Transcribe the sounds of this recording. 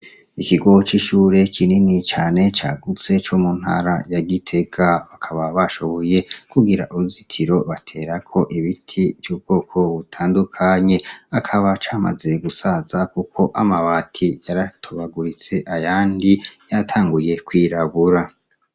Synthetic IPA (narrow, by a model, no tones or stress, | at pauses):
ikiɡo̞ot͡ʃiʃuːɾe̞kʰininit͡ʃaːne̞t͡ʃaːɡut͡se̞t͡ʃo̞muːn̥ha̰ːɾa̰jaɡitʰe̞ɡaβakʰaβaβaʃo̞βo̞je̞kuɡiɾa̰ʔuɾuzitʰiɾo̞βatʰe̞ːɾakʰo̞ʔiβitʰivjuːb̚ɡ̥o̞ːkʰo̞βutʰaːndukʰaɲe̞akʰaβat͡ʃaːma̰ze̞ɡusazakukʰo̞ʔamaβatʰijaɾatʰoβaɡuɾit͡se̞ʔajaːndijatʰaːŋɡuje̞kwiɾaβuɾa